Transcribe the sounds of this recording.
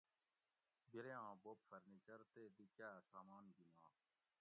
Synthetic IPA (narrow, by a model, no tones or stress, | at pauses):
biɾeãːboːpfəɾniːt͡ʃəɾt̪eːd̪ikjaːsaːmaːnɡinã̰ː